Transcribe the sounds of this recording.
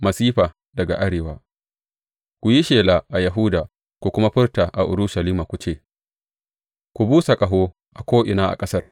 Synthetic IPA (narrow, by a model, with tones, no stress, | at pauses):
mɐ˨siː˦ɸaː˨ | dɐ˨ɡa̰˨ʔa˦ɽeː˨waː˦ | kʷu˨ji˦ʃeː˨laː˨ʔa˨jɐ˨ɦuː˦daː˨ | kʷu˨kʷʊ˦ma˦ɸɪ˦rta˨ʔa̰˨ʔʊ˨ɾʊ˦ʃa˨liː˦maː˨kʷu˨t͡ʃeː˦˨ | kʷu˨buː˦sa˨kʼɐ˨ɦoː˦ | ʔa˨kʷoː˦ʔɪ˨naː˦ʔa̰˨kʼɐ˦sɐ˦r